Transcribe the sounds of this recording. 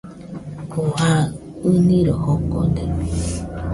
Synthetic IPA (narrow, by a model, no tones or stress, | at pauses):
koha | ɯnĩɾohoko̰d̪e